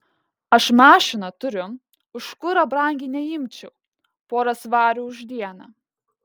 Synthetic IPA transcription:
ɐʃmɑːʃʲɪnɐt̪ʊɾʲʊ | ʊʃkʊɾɐbɾɐˑŋʲɡʲiːnʲɛjɪmʲt͡ʃʲɛʊ | poːɾɐsʋɑːɾʲuːʊʒʲd̪ʲiɛnɐ

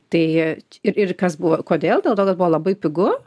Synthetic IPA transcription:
t̪ɐɪɪɾɪɾkɐsbʊʋokoːd̪ʲeːlˠd̪ʲeːlˠt̪oːkɐsbʊʋoːlˠɐbɐɪpʲɪɡʊ

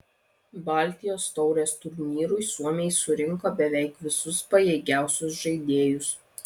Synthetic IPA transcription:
bɑˑlʲt̪ʲɪjoːst̪ɒʊɾʲost̪ʊɾʲnʲiːɾʊɪsuɔmʲejsʊɾʲɪŋˑkoːbʲɛʋʲɛˑɪkʋʲɪsʊspɐjeɪɡʲæˑʊsʲʊsʒɐɪd̪ʲeːjʊs

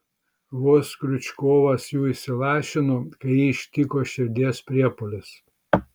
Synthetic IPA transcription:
ʋoːskɾʲʊt͡ʃʲkoːʋɐsjuːɪsʲɪlˠɑːʃʲɪnoːkɐɪjiːɪʃʲt̪ʲikoːʃʲɪɾʲd̪ʲiɛspʲɾʲiɛpolʲɪs

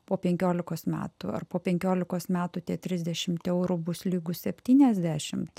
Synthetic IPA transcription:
poːpʲɛŋʲkʲoːlʲɪkoːsmʲæ̰ːt̪ṵɐ̰rpoːpʲɛŋʲkʲoːlʲɪkoːsmʲæːt̪ut̪ʲiɛt̪ʲɾʲɪzʲd̪ʲɛʃʲɪmt̪ʲɛʊɾubʊslʲiːɡʊssʲɛpʲt̪ʲiːnʲɛzʲd̪ʲæːʃʲɪmt̪

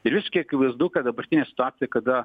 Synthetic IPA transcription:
ɪɾʋʲɪsʃkʲiɛkɪʋɐɪsd̪ɐʊkʲɛd̪ɐbɐɾʲt̪ʲɪnʲeːsʲɪt̪ʊaːsʲɪjɛkɐd̪ɐ

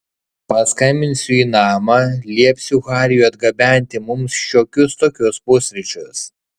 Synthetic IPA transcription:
pɐskɐɪmʲɪnʲsʲʊiːnɑːmɐlʲiɛpʲsʲʊɣɑːɾʲɪjuːɐd̪ɡɐbʲæˑnʲt̪ʲɪmʊmsʃʲoːkʲʊst̪oːkʲʊspʊsʲɾʲɪt͡ʃʲʊs

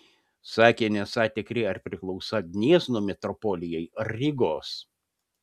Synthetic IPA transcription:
sɑːkʲeːnʲɛsɑːt̪ʲɪkɾʲɪɐɾpʲɾʲɪklˠɒʊsɐɡʲnʲiɛznumʲɛt̪ɾɔpɔlʲɪjɛɪɾːʲɪɡoːs

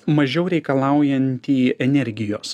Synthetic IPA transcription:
mɐʒʲɛʊɾʲɛɪkɐlˠɑˑʊjɛnʲt̪ʲiːɛnʲɛɾʲɡʲɪjoːs

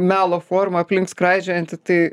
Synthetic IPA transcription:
mʲæːlˠoːfoːrmɐɐpʲlʲɪŋkskɾɑɪd͡ʒʲɛɐnʲt̪ʲɪt̪ɐɪ

